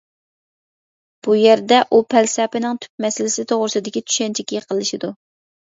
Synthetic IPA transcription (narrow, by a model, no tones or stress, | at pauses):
b̥ujæɾd̪ɛʔupʰɛlsɛpɪnɪŋt̪ʰy̥p̚mɛsɪlɪsɪt̪ʰoʁɾɨsɨd̪ɪkʲit͡ʃ̪ʰy̥ʃɛnt͡ʃʰɪkʲijəqʰəlˠɨʃid̪u